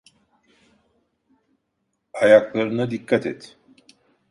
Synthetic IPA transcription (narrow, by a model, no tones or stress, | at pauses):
ajaklˠaɾɯnɯd̪ikʰːat̪ʰɛ̰t̪